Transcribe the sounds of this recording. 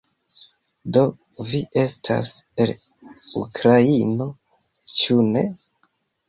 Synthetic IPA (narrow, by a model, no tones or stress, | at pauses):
do̞ | viʔe̞stʰa̰sel | ṵkɾaino̞ | t͡ʃune̞